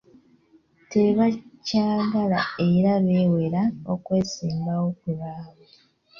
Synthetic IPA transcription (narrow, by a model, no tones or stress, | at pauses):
te̞βacaːɡalae̞ɾaβe̞ːwe̞ɾaokwe̞ːsiːmbawo̞kuβaːβa